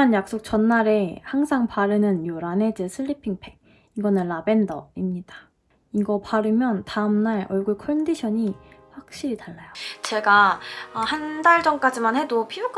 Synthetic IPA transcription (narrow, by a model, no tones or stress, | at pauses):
anjak̚s͈ok̚t͡ɕʌnːaɾe̞haŋsʰaŋpaɾɯnɯnjoɾane̞d͡ʑesʰɯʎːipʰiŋpʰe̞ŋ | iɡʌnɯnlabe̞ndʌimɲidḁ | iɡʌpaɾɯmjʌntaɯmnaɭʌɭɡuɭkʰʌndiɕʰʌɲiɸwak̚ɕ͈iɾitaɭːajot͡ɕe̞ɡahandaɭd͡ʑʌŋk͈ad͡ʑimanhe̞dopʰiok͈ʰ